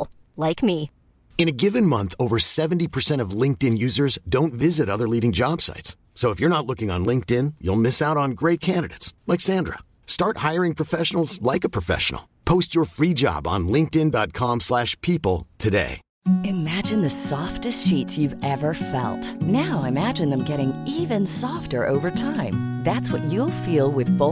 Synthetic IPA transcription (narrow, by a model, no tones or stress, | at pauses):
laɪkmi | ɨ̃nɨɡɪvɨ̃nmʌ̃nθoʊvə˞sɛvn̩tipʰə˞sɛ̃ɾ̃ʌvlɪ̃ŋk̚tɨ̃njʉzə˞zdõʊ̃ntvɪzɨɾʌðə˞liɾɪ̃ŋd͡ʒɑb̥sa̰ɪtsːoʊəfjə˞ñətˡlʊkɪ̃ŋə̰̃nlɪ̃ŋk̚tɪ̃njṵlˠmɪsaʊɾn̩ɡɹeɪt̚kʰæ̃ndɨɾeɪtslɛɪksæ̃ndɹə̰ | stɑɹt̚haɪə˞ɪ̃ŋpʰɹ̥əfɛʃn̩l̩ˠzlaɪkəpʰɹ̥əfɛ̰ʃə̰n̩l̩ˠpʰoʊst͡ʃə˞fɹid͡ʒɑ̰b̃n̩lɪ̃ŋk̚tɪ̃ndɑt̚kʰɑ̃mslæʃpʰipl̩ˠtʰɨdḛɪ | ɨmæd͡ʒɨ̃nðɨsɔftɨstʃitsjʉvɛvə˞fɛ̰lˠtnaʊaɪɨmæd͡ʒɨ̃nðɨ̃mɡɛɾɪ̃ŋivɨ̃nsɔftə˞ʔo̰ʊvə˞tʰãɪ̃mðætswʌt͡ʃɨlˠfilˠwɪðbo